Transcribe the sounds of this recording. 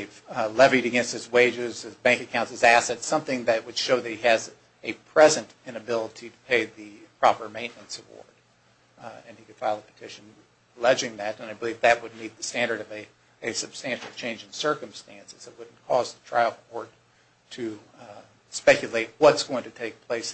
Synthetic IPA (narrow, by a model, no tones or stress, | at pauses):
ðɪvlɛviɾɨɡɛ̃nst̚hɨzweɪd͡ʒɪz̥ɨzbæ̃ŋkɨkʰãʊ̃ntsɨzæsɨtsʌ̃mθɪ̃ŋðɨt̚wɨd̥ʃoʊðɨt̚iɨz | ɨpʰɹ̥ɛzɨ̃ntɨ̃nɨbɪlˠəɾiɾəpʰeɪðɨpʰɹ̥ɑpə˞mẽɪ̃nɨ̃nsəwɔ̰ɹd | ɨ̃nikɨd̥faɪlˠəpʰə̥tʰɪʃɨ̃n̩ | əlɛd͡ʒɪ̃ŋðɨɾɨ̃naɪbəlivðɨt̚wəd̚ⁿmid̪̚ðɨstæ̃ndə˞ɾʌvɨ | ɨsɨb̥stæ̃nʃl̩ˠt͡ʃʰẽɪ̃nd͡ʒɨ̃nsɜ˞kɨ̃m̩stæ̃nsɨz̥ət̚wʊdⁿn̩kʰɔzðətʰɹ̥aɪlˠɔɹd | tʰɨ | spɛkjɨleɪt̚wʌtsɡ̥oʊɪ̃ŋtʰɨtʰeɪk̚pʰl̥eɪs